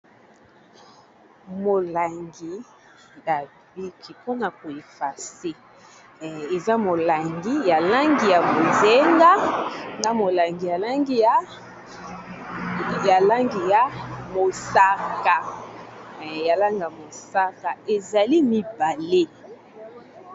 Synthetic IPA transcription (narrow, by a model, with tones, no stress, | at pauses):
mo˨la˨ŋɡi˨ | ja˨ | bi˦ki˨po˦na˨ko˨e˨fa˨se˦ | e˨za˦mo˨la˨ŋɡi˦ja˨la˦ŋɡi˨ja˨mo˨ze˦ŋɡa˦na˦mo˨la˨ŋɡi˨ja˨la˦ŋɡi˦ja˨˦ | ja˨la˦ŋɡi˨ja˨mo˨sa˦ka˨ | ja˨la˦ŋɡa˨mo˨sa˦ka˨e˨za˨li˦mi˨ba˨le˦